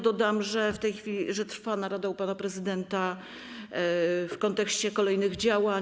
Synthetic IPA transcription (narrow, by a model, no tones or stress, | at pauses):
d̪ɔd̪amʐɛft̪ɛjxfʲilʲiʐɛt̪ɾfanaɾad̪ɛwpanapɾɛzɘd̪ɛnt̪a | fkɔnt̪ɛkɕt͡ɕɛkɔlɛjnɘɣd͡ʑawa